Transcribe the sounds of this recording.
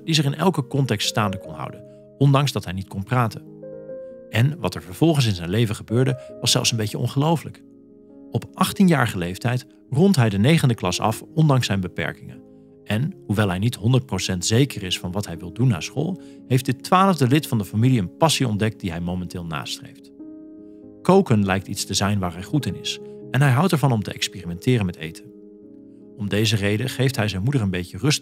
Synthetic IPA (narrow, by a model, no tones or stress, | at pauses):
d̥izərɪnɛ̰lˠkəkɔntɛkststaːndəkɔnɦɑ̰wdən | ɔndɑŋzdɑtɦɛjnitkɔnpraːtən | ɛnʋɑ̰tɛɹvəɹv̥ɔlˠχəns̬ɪnzɛjnlejvəχəbøːɹdəʋɑsɛ̰lˠfsənbejcəɔ̰nχəlowfələk | ɔpʔɑχtinjaːɹχəlejftɛjt | rɔntɦɛjdənejχəndəklɑ̰sɑ̰fɔndɑŋsɛjnbəpɛ̰ɹkɪŋə̰n | ʔɛnɦuʋɛlˠɦɛjnitɦɔndəɹt̚prowsɛntz̥ejkərɪsfɑnʋɑtɦɛjʋɪlˠdunːa̰ːsχo̰ːlˠ | ɦejfdɪtʋaːləvdəlɪtfɑndəfamiliənpɑsiɔndɛk̚t̚d̥iɦɛjmowmɛntɪːlˠna̰ːstrḛjft | kowkənlɛjk̚titstəzɛjnʋaːɹɦɛjχutɪnɪsɛnɦɛjɦɑwtɛɹvɑnɔmtə̰ʔɛkspɪːrimɛntɪːrənmɛtḛjtʰə | ɔmdejzərejdəχejftɦɛjzɛjnmudəɹənbejcərɵst